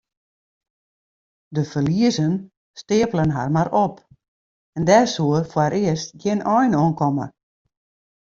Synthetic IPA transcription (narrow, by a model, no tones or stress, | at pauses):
dəfərliəzən | stɪəpələnɦarmaɾɔp | ɛndɛsuərfwaɾɪəstɡjɪnɔjnoənkɔmə̰